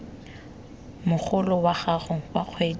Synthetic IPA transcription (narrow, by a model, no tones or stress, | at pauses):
mʊk͡xʰʊlɔwaɣaχʊwaq͡χʰweː